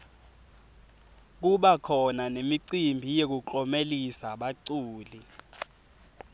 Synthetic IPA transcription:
k̬uɓakʰɔnanemiǀimbʱijek̬uǃɔmelisaɓaǀuːli

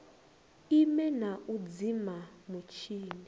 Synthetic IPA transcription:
imɛnaʔud͡zimamut͡ʃʰiːmi

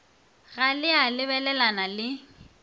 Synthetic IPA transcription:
ɣalɪalɪβɛlɛlanalɪ

